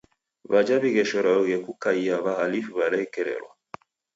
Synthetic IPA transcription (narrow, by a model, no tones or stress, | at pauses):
βad͡ʒaβiɣɛʃɔɾaɔɣɛkukaiaβahalifiβalɛkɛɾɛ̰ɾwa̰